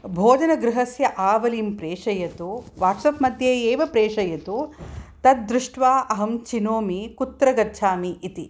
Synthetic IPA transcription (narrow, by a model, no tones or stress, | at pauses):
bʱoːd̪ɐnɐɡɾuɦɐsjɐʔaːʋɐliːmpɾeːʂɐjɐt̪uʋaːʈsɐpmɐd̪ʱjeːeːʋɐpɾeːʂɐjɐt̪ut̪ɐt̪̚d̪ɾuʂʈʋaːʔɐɦɐmt͡ʃinoːmikut̪ːɾɐɡɐt͡ʃʰaːmiʔit̪i